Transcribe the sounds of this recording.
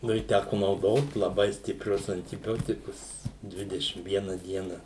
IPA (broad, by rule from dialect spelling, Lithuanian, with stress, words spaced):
ˈnʊ ɪ ˈtʲækʊ nɐʊˈdoːt lˠɐˈbɐɪ sʲtʲɪpʲˈrʲʊs ɐnʲtʲɪˈbʲoːtʲɪkʊs ˈdʲʋʲɪdʲɛʃʲɪm ˈʋʲiɛnɐ ˈdʲiɛnɐ